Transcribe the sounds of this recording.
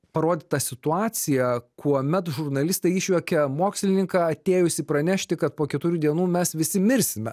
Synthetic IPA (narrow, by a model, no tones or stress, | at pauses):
pɐɾoːd̪ʲɪt̪ɐsʲɪt̪ʊɑːsʲɪjɛkʰuɔmʲɛt̪ʒʊɾnɐlʲɪst̪ɐɪiʃʲʋʲɛkʲɛmoːksʲlʲɪnʲɪŋkɑːɐt̪ʲeːjʊsʲɪpɾɐnʲæʃʲt̪ʲɪkɐt̪̚poːkʲɛt̪ʊɾʲuːd̪ʲiɛnuːmʲɛsʋʲɪsʲɪmʲɪɾʲsʲɪmʲɛ